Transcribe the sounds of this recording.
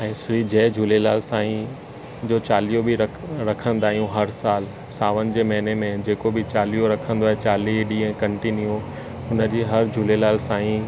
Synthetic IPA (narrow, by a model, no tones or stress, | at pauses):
ɛ̃ːsɾiːd͡ʑɛːd͡ʑuːlelaːlsaːĩ | d͡ʑoːt͡ɕaːlijobɪɾɐ | ɾɐkʰə̃nd̪aːɦijũɦɐɾsaːl | saːʋənɪ̆d͡ʑeːmɐɦɪnemẽd͡ʑeːkobɪt͡ɕaːlijoɾɐkʰə̃n̆d̪oaːɦet͡ɕaːliɖiɛ̃ːkɐ̃ɳʈinio | ʊnə̆d͡ʑeːɦɐɾd͡ʑuːlelaːlsãːĩ